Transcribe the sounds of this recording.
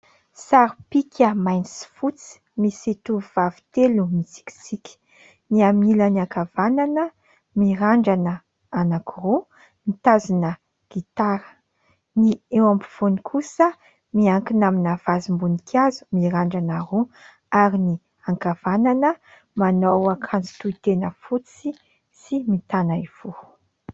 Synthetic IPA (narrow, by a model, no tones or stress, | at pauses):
saɾipikʰʲəmajnisi̥fut͡si̥misit̪uuvavi̥t̪elumit͡si̥ki̥sikʲi̥ | niamiləniakavananə | miɾaɳɖ͡ʐanə | anakuɾo | nit̪azunə | ɡ̥it̪aɾə̥ | niewampi̥v̥onikʰusə | miaŋkinaminav̥azimbunikʰjazu̥miɾaɳɖ͡ʐanaɾo | aɾini | aŋkavananə | manowakʰant͡si̥t̪uit̪enəfut͡si | simit̪anaiv̥o